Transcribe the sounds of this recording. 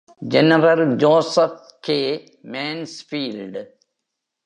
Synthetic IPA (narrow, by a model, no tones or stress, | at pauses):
d͡ʒenəɾɐld͡ʒoːsəf̚keː | meːnsfiːlɖ